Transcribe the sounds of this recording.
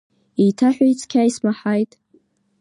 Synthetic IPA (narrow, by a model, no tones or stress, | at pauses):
ijtʰaħᶣʷait͡sʰʼkʲʰaismaħajtʼ